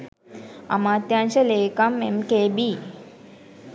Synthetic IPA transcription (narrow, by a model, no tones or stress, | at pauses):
a̰mat̪jãɲt͡ɕəleːkamemkebi